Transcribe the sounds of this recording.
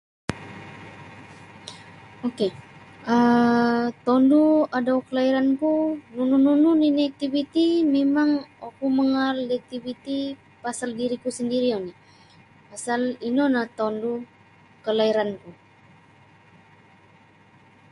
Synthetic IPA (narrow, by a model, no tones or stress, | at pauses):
okeə | t̪ɔnduadaukəlaiɾankunununununinak̚t̪ivit̪imemaŋakuməŋaldiak̚t̪ivit̪i | pasaldiɾikusəndiɾiani | pasalinonaht̪ɔndu | kəlaiɾanku